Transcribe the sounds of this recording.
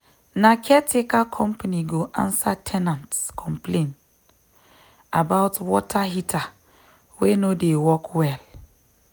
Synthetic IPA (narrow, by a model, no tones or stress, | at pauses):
nakʰɛtʰɪkakʰɔ̃mpʰanĩɡoʔã̰nsatʰɛnãntkʰɔ̃mpʰlẽn | abaʊtwɔtʰahitʰa | wɛnõdewɔkʰwɛl